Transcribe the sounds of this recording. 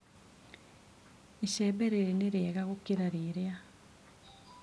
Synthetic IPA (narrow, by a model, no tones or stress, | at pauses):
iʃɛbeɾeɾeneɾeɣaɣukiɾaɾiɾja